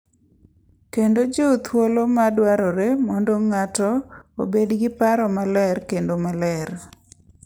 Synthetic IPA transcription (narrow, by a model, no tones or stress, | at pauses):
kendod͡ʒet̪ʰwolomadwaɾɔɾemɔndɔŋatɔo̰bedɡɪpaɾɔmalɛrkendomalɛr